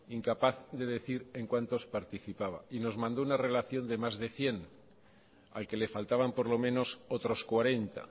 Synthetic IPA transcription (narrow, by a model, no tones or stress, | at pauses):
iŋkapaθðe̞ð̞e̞θiɾe̞ŋkwant̪o̞spaɾt̪iθipaβa̰ino̞zmãnd̪ounare̞laθjo̞nd̪e̞mazðe̞θje̞n | a̰lke̞le̞falt̪aβ̞ampo̞ɾlo̞mẽ̞no̞sot̪ɾo̞skwaɾe̞nt̪a̰